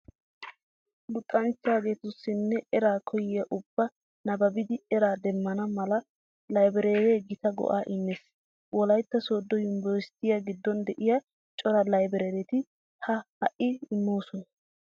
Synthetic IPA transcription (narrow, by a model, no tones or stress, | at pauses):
lʊt̪ʼːɐnt͡ʃːɪaːɡe̞ːt̪ʊsːɪnːɛɛɾaːkʰɔjɪjɐʔʊb̥ːɐ | nɐbɐbɪd̪ɪɛɾaːd̪ɛmːɐnɐmɐlɐ | lɐjbɛɾeːɾeːɡɪt̪ɐɡɔ̰ʔaːʔɪmːɛs | wɔlɐjt̪ːɐso̞ːd̪ːɔjʊmbɔɾst̪ɪjaɡɪd̪ːɔnd̪ɛʔɪja | t͡ʃʼɔɾɐlɐjbɛɾeːɾɛt̪ɪ | hɐhɐʔɪɪmːoːsɔnɐ